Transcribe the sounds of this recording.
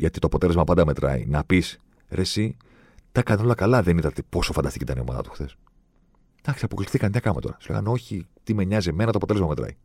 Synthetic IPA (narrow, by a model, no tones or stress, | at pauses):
ʝɐt̪i̥t̪oɐpo̞t̪e̞lemɐpɐnd̪ɐme̞t̪ɾɐ̰ḭnɐpis | ɾesi | t̪ɐkɐno̞lɐkɐlɐðenit̪ɐt̪epo̞sofɐnd̪ɐst̪icit̪ɐnio̞mɐ̰ðɐ̰t̪u̥xθes | d̪̥ɐksiɐpo̞klifθikɐnɲɐkɐmet̪o̞̰ɾɐsu̥leɣɐ̰no̞çit̪ime̞ɲɐzie̞me̞nɐt̪oɐpt̪elzmɐme̞t̪ɾɐ̰i